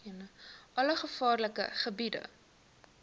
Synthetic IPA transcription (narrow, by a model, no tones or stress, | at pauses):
iənəʔɐləχəfɑːrləkə̰χəbidə̰